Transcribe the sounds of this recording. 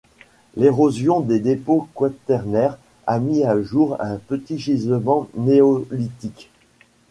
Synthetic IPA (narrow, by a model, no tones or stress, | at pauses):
leʁozjɔ̃d̪ed̪epokwat̪ɛʁnɛʁ | a̰miaʒuʁɛ̃pət̪iʒizəmɑ̃neɔlit̪ik